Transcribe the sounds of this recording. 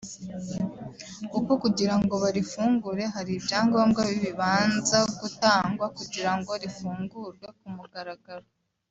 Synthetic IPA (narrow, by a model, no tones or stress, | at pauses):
uko̞kuɟiɾaŋɡo̞βaɾifuːŋɡuɾe̞ɦaɾibjaːŋɡoβamɡaβiβiβaːnzaɡutaːŋɡwakuɟiɾaŋɡo̞ɾifuːŋɡuɾɡwe̞ekumuɡaɾaɡaɾo